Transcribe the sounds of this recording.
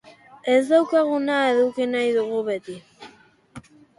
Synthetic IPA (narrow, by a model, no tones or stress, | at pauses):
ezd̪awkaɣunaeðukenajðuɣuβet̪i